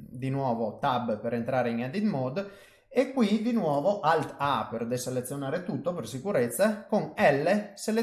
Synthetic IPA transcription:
d̪inwɔːvot̪abpeɾent̪ɾaːɾeiŋad̪it̪mɔd̪ | ekːwid̪inwɔːvoʔalt̪aperd̪ɛselet̪sːjonaːɾet̪ut̪ːopersikuɾɛt̪sːakoŋɛlːesele

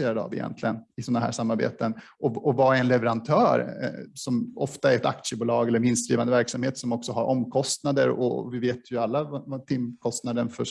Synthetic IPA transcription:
eːɾad̪əa̰vɪjɛ̰nt̪ʰlɪɡənɪsɔnːaɦæ̰ːʂamːaɾbḛːt̪ən | ʔɔɔvaɛnlɛvɛɾant̪ʰœːɾsɔmɔ̰ft̪aɛɾɛt̪a̰k̪ʂəbʊːlɑːɡɛlːəɾmɪnst̪ɾiːvand̪əvæɾksamheːt̪sɔmɔksɔɦaɾʔɔmːkʰɔst̪nad̪ə̰ɾɔ̰vɪveːt̪ʰjɵalːavat̪ʰɪmkʰɔst̪nad̪əɳfœ

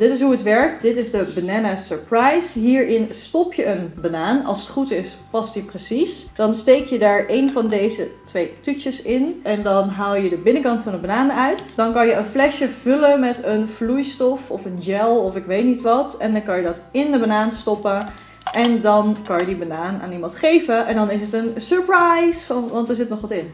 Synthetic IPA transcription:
d̥ɪtɪs̬ɦuətʋɛɹk̚td̥ɪtɪzdəbanaːnasəɹprajsɦiːɹʔɪnstɔpjəʔənbanaːnɑ̰lˠsə̥tχutɪspɑstiprəsisd̥ɑnstejkjədaːɹʔejnvɑndejzətʋejtyt͡ʃəsɪnʔɛndɑnɦaːlˠjədəbɪnəkɑntfɑnəbanaːnəœɥtd̥ɑnkɑnjəənflɛʃjəv̥ɵləmɛtənv̥lujstɔfɔfənjɛlˠɔfɪkʋejtnitʋɑtɛndɑnkɑnjədɑtɪndəbanaːnstɔpə | ʔɛndɑnkɑnjədibanaːna̰ːnimɑntχejvəʔɛndɑnɪs̬ətənsəɹpɹajsfnʋɑntdəɹzɪtnɔχʋɑtɪn

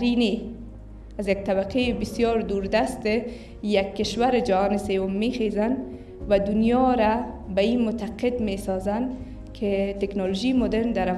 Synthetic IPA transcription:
ɾine | azjaɡ̚t̪abaqebɪsjɔɾd̪uɾd̪ast̪ɪ | jakːɪʃwaɾɪd͡ʒahɔːnɪsewʊmːexezan | wad̪unjɒɾabaimʊt̪aqɪd̪mesɔzan | kʰɪt̪eknɔloʒimʊd̪eɾnd̪aɾa

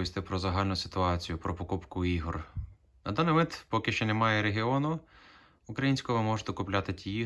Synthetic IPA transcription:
ist̪ɪpɾɔzɐɦɑlʲnʊsɪ̥t̪ʊɑt͡sʲijʊpɾɔpɔkupkʊiɦɔr | nɐd̪ɑnɪmɪt̪pɔkɪʃt͡ʃɛnemɑjɛɾeɦɪɔnʊː | kɾɐjinʲsʲkɔʋɪmɔʒt̪ɛkʊplʲat̪ɪtʲii

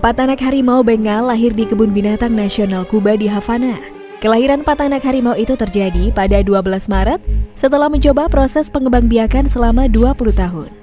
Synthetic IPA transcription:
pat̪anakɦaɾimaubeŋalːaɦɪrdikəbʊnbinat̪aŋnasionalkubadiɦafana | kəlaɦiɾanpat̪anakɦaɾimauit̪ut̪ərd͡ʒadipadaduabəlasmaɾət̪̚sət̪əlahməɲt͡ʃobapɾosɛspəŋəbaŋbiakansəlamaduapulut̪aɦʊn

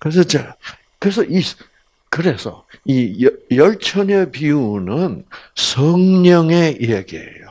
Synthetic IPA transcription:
kɯɾes̬ʰʌt͡ɕe | kɯɾe̞s̬ʰʌʔis | kɯɾe̞sʰʌ̰ijʌjʌɭt͡ɕʰʌɲʌpiunɯnsʰʌŋɲʌŋeijaɡiḛjo

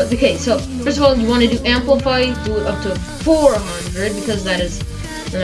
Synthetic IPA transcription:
tðɨkʰeɪsːoʊfɜ˞stʌvɔlˠjɨwɑ̃ñɨdɨʔæ̃mpləfaɪduʔʌp̚tʰɨ | fɔɹɦʌ̃ndɹɨd̚bɨkʰʌzðɨɾɨz̥

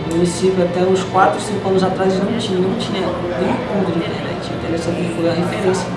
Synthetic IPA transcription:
ũnisivat̪ɛʊskwat̪ɾʊsĩŋkʊɐ̃nʊzat̪ɾaz̃ũt͡ʃĩɲɐ̃nɐ̃w̃t͡ʃĩɲɐ | ẽɐ̃põɡɾĩt̪enɛ̰t͡ʃɪt̪ɛvɛsɐp̪ikulɐɦefeɾẽsɐ

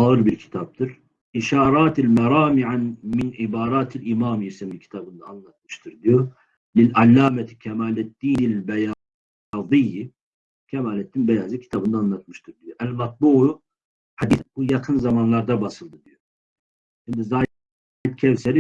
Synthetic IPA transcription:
aɯɾbiɾcʰi̥t̪ʰap̚t̪ʰɯɾ | ʔiʃaːɾˤɑːt̪ʰilmaɾˤɑːmiʕanminʕibaːɾaːt̪ʰilimaːmjisɛmicʰi̥t̪ʰabɯnd̪a̰ːnlˠat̪̚mɯ̥ʃt̪ʰɯɾd̪ijo | lilalːaːmɛt̪ʰi̥cʲʰɛmaːlɛd̪ːiːnɪlbɛja | ðˤijːi | cʲʰɛmaːlɛt̪ːinbɛjaːzicʰi̥t̪ʰabɯnd̪aːnlˠat̪mɯʃt̪ʰɯɾd̪ijoʔælmat̪̚buːʕu | ħad̪isbujɑkʰɯnzɑmanlˠaɾd̪abasɯlˠd̪ɯd̪ijo | ʃimd̪izaː | it̪̚cʰɛwsɛli

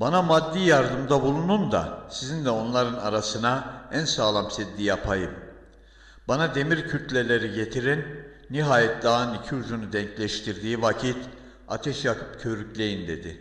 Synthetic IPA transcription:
banamad̪ːijaɾd̪ɯmd̪abulˠunund̪a̰sizind̪ɛo̞nlˠaɾɯnaɾasɯnaænsaːlˠamsɛd̪ːijapʰajɯm | banad̪e̞miɾcʰyt̪ʰlʲe̞lʲe̞ɾiɟe̞t̪ʰiɾinː | iɦaːjɛt̪̚d̪anicʰiud͡ʒunud̪ɛɲclʲɛʃt̪ʰiɾd̪iːvacʰit̪ | a̰t̪ʰɛʃjakʰɯ̥pcʰø̞ɾyclʲe̞jind̪e̞d̪ɪ

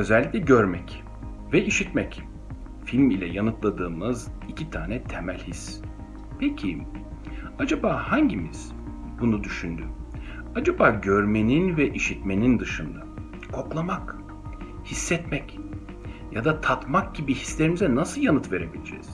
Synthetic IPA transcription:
ø̞zɛlʲːiclʲɛɟøɾmɛc | vɛiʃit̪mɛc | filʲmilʲɛ̰janɯt̪lˠad̪ɯːmɯzicʰit̪ʰaːnɛt̪ʰemɛlʲhis | pʰecʰi | ad͡ʒabaːhaɲɟimiz̥ | bunud̪yʃynd̪y | ad͡ʒabaːɟøɾmeninvɛʔiʃit̪me̞nind̪ɯʃɯnd̪a | kʰo̞klˠamak | hisːɛt̪mɛc | jad̪at̪ʰat̪mak̚ɟ̥ibihi̥slʲeɾimizɛnasɯlˠjanɯt̪ve̞ɾe̞bilʲed͡ʒɛ̰ːz̥

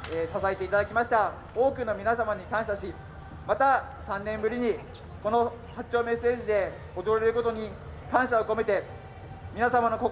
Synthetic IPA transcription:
esasaet̪e̞it̪ad̪akʲimaɕi̥t̪a | o̞ːkɯ̟no̞mʲinasamaɲ̟ikãɰ̃ɕaɕi | mat̪a | sãnːẽ̞mbɯ̟ɾʲiɲ̟i | ko̞no̞ | hat͡ɕo̞ːme̞se̞ːʑid̪e̞ | od̪o̞ɾoɾe̞ɾɯ̟ko̞t̪o̞ɲ̟i | kãɰ̃ɕaoko̞me̞t̪e̞ | mʲinasamano̞ko

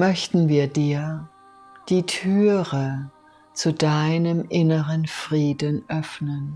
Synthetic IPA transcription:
mœçtn̩viːɐdiːɐ | d̥iːtʰyːʁə | t͡sudaɪnəmʔɪnəʁənfʁ̥iːdənʔœfnən

